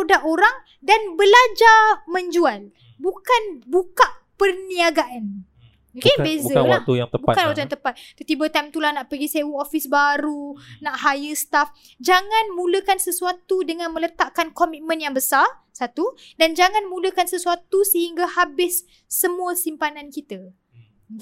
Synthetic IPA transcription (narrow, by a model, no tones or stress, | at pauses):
udaʔoɾaŋ | danbəlad͡ʒamə̃ɲd͡ʒual | bukanbukaʔpərniaɡaʔan | okebezbəawaauja̰ŋt̪əbukanwakt̪ujaŋt̪əpat̪̚t̪ut̪ibət̪amt̪ulahnaʔpəɡisewuofisbaɾunaʔhajəst̪af | d͡ʒaŋãnmũləkansəsuat̪udəŋãnmə̃lət̪aʔkankomit̪̚mə̃njaŋbəsarsat̪udand͡ʒaŋãnmũləkansəsuat̪usəhiŋɡahabɪsː | əmũəsimpanankit̪ə